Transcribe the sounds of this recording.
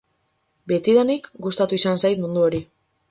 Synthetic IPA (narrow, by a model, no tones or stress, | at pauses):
be̞t̪iðanikɡust̪at̪uisansajt̪mund̪uo̞ɾi